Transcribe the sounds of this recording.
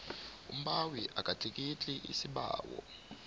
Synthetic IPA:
ṵm̩ɓawiʔakʼatʼik̬ʼit͡ɬʼiʔḭsiɓa̰ːwɔ̰

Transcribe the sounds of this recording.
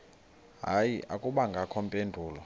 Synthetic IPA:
ɦaːjiʔakʼuɓaŋɡʱakʰɔmpʼendʱuːlɔ

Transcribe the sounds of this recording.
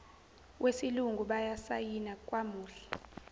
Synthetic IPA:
wʔesiluŋʱuɓajasajinakʼwamuːɬɛ̥

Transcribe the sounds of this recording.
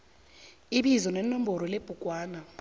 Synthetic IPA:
iɓizɔnɛnɔm̩bɔɾɔleb̥ʱukʼwaːna

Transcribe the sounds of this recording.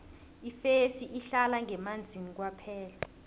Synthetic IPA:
ifesiʔiɬalaŋɛmand͡zʱinik̬wapʰɛːla

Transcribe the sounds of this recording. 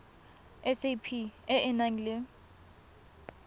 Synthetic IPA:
ɛsepʰiɛɛnaŋle

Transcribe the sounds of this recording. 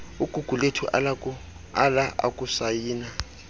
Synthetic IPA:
uɡ̥ʱuɡ̥ʱuletʰuʔala | alaʔa̰kʼusajiːna

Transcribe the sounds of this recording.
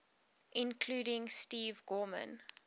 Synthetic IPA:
ʔɪ̃nkʰluːɾɪ̃ŋstiːvɡɔːmə̰̃n

